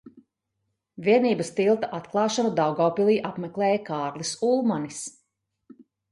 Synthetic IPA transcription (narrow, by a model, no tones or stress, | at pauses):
vʲiɛniːbəst̪ilˠt̪aʔat̪klˠɑːʃanud̪awɡawpilˠiːʔapmɛklˠɛːjɐkaːɾlˠisulˠmanis